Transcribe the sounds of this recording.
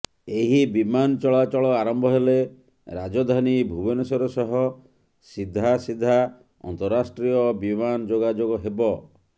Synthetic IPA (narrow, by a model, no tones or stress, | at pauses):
eɦibimanɔt͡ʃɔɭat͡ʃɔɭɔaɾɔmbʱɔɦele | ɾad͡ʒɔd̪ʱanibʱubɔnesɔɾɔsɔɦɔ | sid̪ʱːasid̪ʱːa | ɔ̰nt̪ɔɾːasʈɾijɔbimand͡ʒoɡad͡ʒoɡɔɦebɔ